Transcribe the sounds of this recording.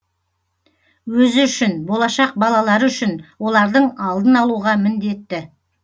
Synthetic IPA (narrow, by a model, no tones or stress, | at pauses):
wɵzɪʏʃɪnbo̞lˠɑʃɑq̚bɑlˠɑlˠɑɾəʏʃɪnwo̞lˠɑɾd̪əɴɑlˠd̪ənɑlˠuʁɑmɪnd̪e̞t̪ːɪ